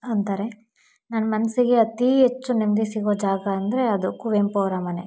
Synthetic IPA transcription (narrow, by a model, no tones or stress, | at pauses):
ɐnt̪aːɾe | nɐnɐmɐnɐsiɡe̞ɐt̪iɦet͡ʃːunimd̪esiɡoːd͡ʒaːɡɐːnd̪ɐɾe̞ɐd̪ukuʋempoːɾɐmɐne